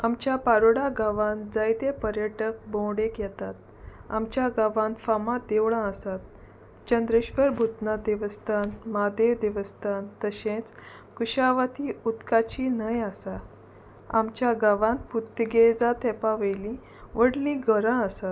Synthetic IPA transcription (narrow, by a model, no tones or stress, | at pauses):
amt͡ɕjapaɾoɽaɡaʋãnd͡zajt̪epəɾjəʈək̚bɔ̃wɽekjɛt̪at̪̚ | a̰mt͡ɕjaɡaʋãnfamad̪eʋɭãəsat̪̚ | t͡ɕənd̪ɾeɕʋəɾbʱut̪nad̪iʋəst̪anmad̪ed̪iʋəst̪ant̪əɕẽt͡s | kuɕaʋat̪iut̪kat͡ɕinəjasa | a̰mt͡ɕjaɡaʋãnput̪ːəɡed͡zat̪ʰɛpaʋəjlĩ | ʋəɽlĩɡʱəɾãəsat̪